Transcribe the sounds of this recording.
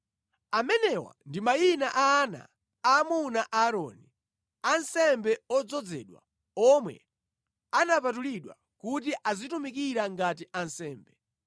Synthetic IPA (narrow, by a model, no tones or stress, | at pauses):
amɛnɛwa̰ndimajinaʔana̰ | aːmunaʔaːɾɔ̰ni | ansɛmbɛɔd͡zɔd͡zɛɗwa̰ | ɔmwɛ̰ | anapatuliɗwa̰ | kutiʔazitumikiɾaŋɡatiʔansɛːmbɛ